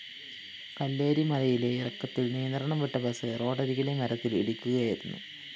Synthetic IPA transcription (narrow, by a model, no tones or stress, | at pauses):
kɐlːe̞ːɾimɐlɐjile̞irɐkːɐt̪ːilnijɐnd̪ɐrɐɳɐmʋeʈːɐbɐsɨro̞ːɖɐɾiɣile̞mɐɾɐt̪ːilḭɽikʲːuɣɐjiɾunːṵ